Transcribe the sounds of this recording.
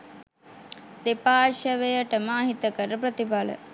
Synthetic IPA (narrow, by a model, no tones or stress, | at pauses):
d̪epaːʃəʋejəʈəmaːɦit̪əkəɾəpɾət̪ibalə̰